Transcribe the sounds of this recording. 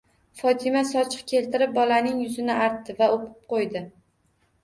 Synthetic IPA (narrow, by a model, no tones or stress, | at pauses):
fɒt̪ʰɪmasɒt͡ʃʰɪ̥qkʲʰe̞lt̪ɪɾɪp̚bɒlanɪŋjʊzɪnɪaɾt̪ːɪvaoqʰɨ̥p̚qʰojd̪ɪ